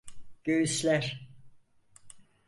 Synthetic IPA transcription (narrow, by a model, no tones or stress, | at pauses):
ɟ̥øjyslʲæɾ